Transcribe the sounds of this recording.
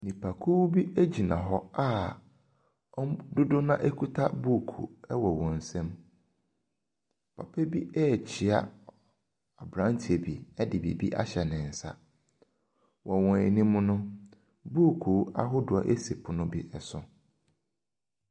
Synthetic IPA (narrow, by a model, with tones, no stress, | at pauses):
nĩ˨pʰa˨kʰu˦wbi˦e˦d͡ʑi˨nã̰˨ɦɔ˦a˦ | ɔ˦dʊ˦dʊ˦nã˦ʔe˦kʰu˦tʰa˦buː˦˨kʰṵ˨ɛ˦wɔ˨wɔ̃˨n̩˨sɛ̃˦m | pʰa̰˨pʰɛ˦bi˦ɛː˦˨t͡ɕʰi˨a̰˦ | a˨bɾã˦n˦tʰi˨e˨bi˨ɛ˦dɪ˨bḭ˨bi˦ʔa̰˦ɕɛ˨nɪ̃˨n̩˨sa̰˦ | wʔɔ˨wɔ̃˨ɛ˨nĩ˦mʊ̃˦nʊ̃˦ | buː˦˨kʰu˨˦a̰˦ɦʊ˦dʊ˨a̰˨ʔe˦se˨pʰʊ˨nʊ̃˦bi˦ʔɛ˨sʊ˨